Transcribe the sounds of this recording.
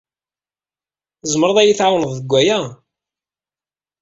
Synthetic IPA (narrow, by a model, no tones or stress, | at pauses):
zˤmɾˤɑðˤæjiθʕawnəðˤðəɡʷːæjæ